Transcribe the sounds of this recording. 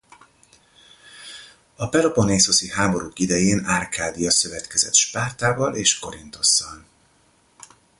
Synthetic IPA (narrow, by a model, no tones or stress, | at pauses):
ɒpɛlo̞poneːso̞siɦaːmo̞ɾuːkid̪ɛjeːnarkʰaːd̪ijɒsø̞vɛt̪kɛzɛ̰t̪ʃpaːrt̪aːvɒleːʃko̞ɾint̪o̞sːɒn